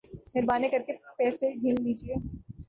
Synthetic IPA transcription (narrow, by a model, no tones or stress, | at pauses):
nɪɾbaːnekɐɾkepɛːseɡʱinliːd͡ʒieː